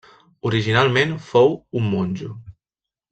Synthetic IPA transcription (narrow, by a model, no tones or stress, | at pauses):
uɾiʒinalˠmenfowumːonʲd͡ʒu